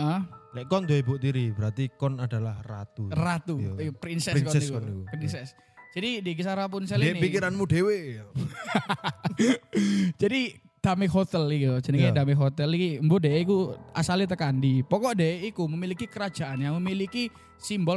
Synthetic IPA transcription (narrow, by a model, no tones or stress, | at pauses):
ʔəhlɛkɔnd̪oibuʔt̪iɾibəɾat̪ikɔnadalahra̰t̪urat̪upɾinsɛsskɔskɔnupɾinsɛs | d͡ʒ̥adidik̬isaɾap̬ʊnsɛlnpikiɾanmudewe | d͡ʒ̥adi | d̥amehot̪ɛlikt̪ud͡ʒənikaadameɦot̪ɛlikimbodeʔikuasalit̪̬əkandipɔkɔʔdeʔikuməmilikikəɾad͡ʒ̥a̤ʔanjaŋməmiliki | simbɔ